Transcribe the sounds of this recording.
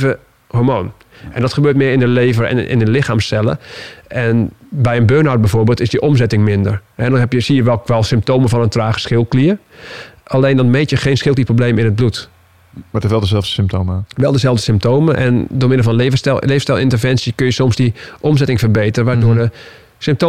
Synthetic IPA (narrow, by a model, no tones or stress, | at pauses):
və | hoːɹmoːn | ʔɛndɔtxəbøːt̚mɪːɪndəleːvəɛ̰ɪ̰nəlɪxaːmsɛlˠə̰ʔɛnbɛjənbøːnawt̚bɛjfoːɹbeːlˠtɪsdiʔɔmzɛtɪŋmɪndərhɛdɔnɦɛpjəsiəʋɛlˠʋɛlˠsɪmp̚toːməfɔnəntraːxə̥sxɪlˠkliər | ʔaleːndɔnmeːtjəxeːnsxɪlˠtiprobleːmɪnət̚blut | matɪsʋɛlˠdəzɛlˠvdəsɪmp̚tʰoːmʋɛlˠdəzɛlˠvdəsɪmp̚tʰoːməʔɛ̰ndoːmɪndəlfɔnleːvəsɛleːvəstɛlˠɪntərvɛnsjəkønjəsɔmsdiʔɔmzɛtɪŋfərbeːtərəʋaːdoːɹdə | sɪmpto